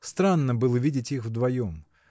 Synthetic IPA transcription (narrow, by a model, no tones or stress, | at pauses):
st̪ɾanːəbɨlˠəvʲidʲɪtʲixvd̪vɐjom